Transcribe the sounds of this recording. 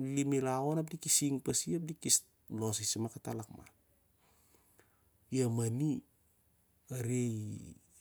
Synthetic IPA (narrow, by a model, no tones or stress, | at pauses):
limilaonap̬̚dikisiŋpasiap̬̚dikis | losisimakatalakma̰n | jamani | aɾej